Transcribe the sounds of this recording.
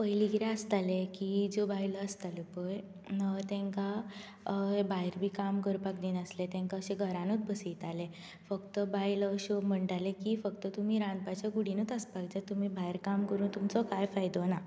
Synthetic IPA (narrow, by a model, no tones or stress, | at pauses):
pəjliɡɾeəst̪alekid͡zobajləəst̪alepəj | t̪ẽŋka | ɦebajɾbʱiːkamkəɾpakd̪iːnəslet̪ẽŋkaəɕeɡʱəɾãnut͡s̪bʱəsijt̪ale | fəkt̪əbajləəɕɔm̤əɳʈalekifək̚t̪ət̪um̤iːɾãnpat͡ɕjaɡuɽinut̪əspaɡd͡ʑat̪um̤ibaiɾkamkəɾuːnt̪umt͡sɔkajfajd̪ɔna